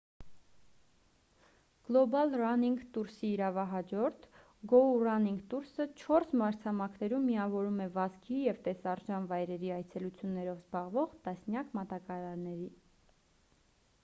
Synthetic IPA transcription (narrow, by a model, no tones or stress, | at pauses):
ɡ̥lɔbɑlrɑniŋɡt̪uɾsiːɾɑvɑɦɑd͡ʒɔɾt̪ʰ | ɡɔurɑniŋɡt̪uɾsət͡ʃʰɔɾsmɑɾt͡sʰɑmɑkʰnɛɾumːiɑvɔɾumɛvɑzkʰijɛvt̪ɛsɑɾʒɑnvɑjɾɛɾiɑjt͡sʰɛlut͡sʰjunːɛɾɔvzbɑʁvɔʁt̪ɑsnjɑkmɑt̪ɑkɑɾɑɾnɛɾi